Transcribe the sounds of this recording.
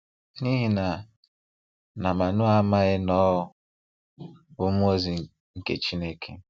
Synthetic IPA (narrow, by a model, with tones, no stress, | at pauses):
ni˦ɦi˨na˨ | na˨ma˨nʊ˦a˦ma˦ɣɪ˦nɔ˦ʊ˦ | ʊ˦m˦o˦zi˨ | ŋ̩˦kḛ˨t͡ʃi˦ne˦ke˦